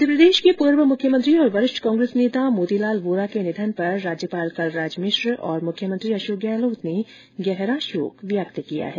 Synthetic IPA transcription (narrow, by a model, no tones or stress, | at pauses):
d̪ʱəpɾəd̪eːʃkepuːɾʋəmʊkʰjəmə̃nt̪ɾiɔːɾʋɐɾɪʃʈʰkãːŋɡɾeːsneːt̪amoːd̪ilaːlʋoːɾakenɪd̪ʱənpɐɾːaːd͡ʒjəpaːlkalɾaːd͡ʒmɪʃɾɔːɾmʊkʰjəmənt̪ɾiɐʃoːɡɛːloːt̪ne | ɡɛɦɾaʃo̰ːkʋjaːkt̪əkija̰ɦɛː